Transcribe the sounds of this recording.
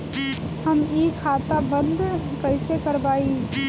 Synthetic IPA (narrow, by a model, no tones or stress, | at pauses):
həmikʰat̪abənd̪ʱkəɪsekəɾbaːi